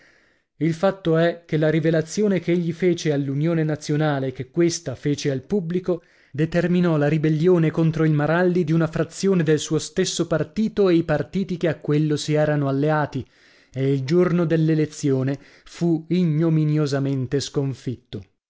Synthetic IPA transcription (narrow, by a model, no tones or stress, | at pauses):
ilfat̪ːoɛk̟ːelaɾivelat̪sːjoːnekeʎːifeːt͡ʃealːunjoːnenat̪sːjonaːlekekːwest̪afeːt͡ʃealpubliko | d̪et̪erminɔlaɾibelːjoːnekont̪ɾoilmaɾald̪id̪iunafɾat̪sːjoːned̪elsuːost̪esːopart̪iːt̪oeipart̪iːt̪ikeakːwelːosiɛːɾanoalːeaːt̪i | eild͡ʒornod̪elːelet̪sːjoːne | fuiɲːominjozament̪eskoɱfit̪ːo